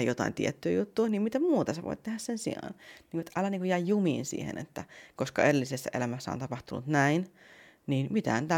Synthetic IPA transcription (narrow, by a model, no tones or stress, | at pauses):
jot̪ɑ̰ḭnt̪ḭet̪ːyːjut̪ːuːniːmmit̪æmmuːt̪ɑseʋo̰it̪t̪ehæssensḭɑ̰ːnniːŋkuet̪ʔɑlæniːŋkujæjjumḭːnsḭːhḛnḛt̪ːækoskɑerilːisesːæʔelæmæsːæo̰nt̪ɑpɑht̪unṵt̪næin | niːnmit̪æænt̪æ